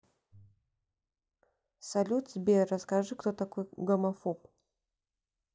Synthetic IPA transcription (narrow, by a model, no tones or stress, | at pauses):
sɐlʲut̪sbʲerɐskɐʐɨkt̪ot̪ɐkojɡɐmɐfop